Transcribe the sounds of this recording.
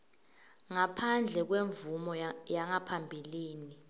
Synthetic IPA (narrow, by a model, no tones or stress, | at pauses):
ŋapʰand͡ɮʱɛk̬weɱvumɔjaŋapʰambʱiliːni